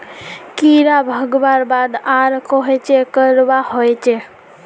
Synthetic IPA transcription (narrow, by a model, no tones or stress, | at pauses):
kiɾabʱəɡbaɾbad̪aɾkɔɦɛt͡ʃekəɾbahojt͡ʃʰe